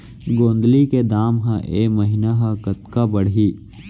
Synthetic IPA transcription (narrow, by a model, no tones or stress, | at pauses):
ɡõːnd̪liked̪aːmɦãʔeːmɐɦinaɦãkɐt̪kabɐɽ̤i